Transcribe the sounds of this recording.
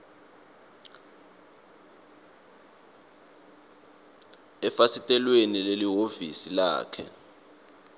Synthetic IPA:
ɛfasitʼɛlwenileliɦovisila̰ːkʰɛ̰

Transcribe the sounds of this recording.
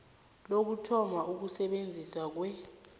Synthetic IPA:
lok̬utʰɔmaʔuk̬usɛɓend͡zʱiswak̬wɛ

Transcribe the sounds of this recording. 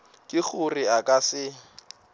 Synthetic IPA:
kʼɪk͡xʊriakʼasɪ

